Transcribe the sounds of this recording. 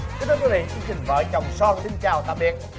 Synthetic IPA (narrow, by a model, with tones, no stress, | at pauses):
ki˧˥nt̪ːkwvḭ˧˨t͡ɕi˧t͡ɕï˨˩ŋ̟və̰ː˧˦jt͡ɕɔ˨˩wŋ͡msɔ˧ŋsi˧ŋt͡ɕaː˨˩wt̪a̰ː˧˨ɓi˨˩ət̚